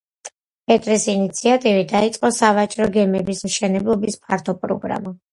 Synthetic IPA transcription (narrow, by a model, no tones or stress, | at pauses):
ɛt̪ʼɾisinit̪sʰiat̪ʼivid̪ait̪sʼqʼɔsavat͡ʃʼɾɔɡɛmɛbismʃɛnɛblˠɔbispʰaɾt̪ʰɔpʼɾɔ̰ɡɾa̰ma